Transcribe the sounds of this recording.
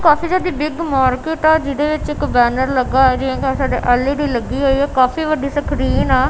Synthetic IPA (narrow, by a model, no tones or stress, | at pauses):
kaːfiːd͡ʒaːd̪iːbɪɡmaːɾkɪːʈaːd͡ʒɪɽeːʋɪt͡ʃɪkbɛːnəɾləɡaːɛːd͡ʒeãːkaːsaːɖeːʔəliɽiːləɡiːɦoːiːɛːkaːfiːʋəɖiːsəkʰɾiːnaː